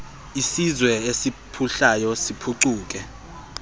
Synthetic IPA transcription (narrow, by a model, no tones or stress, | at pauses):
isizwɛesipʰuɬajɔsipʰuǀuːk̬ʼɛ